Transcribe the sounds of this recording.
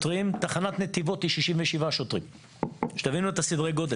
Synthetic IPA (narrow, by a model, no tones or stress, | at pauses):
t̪ʁimt̪aχanat̪net̪ivo̞t̪iʃiʃiɱveʃivaʃot̪ʁim | ʃe̥t̪avinuet̪asidʁeɡo̞d̪e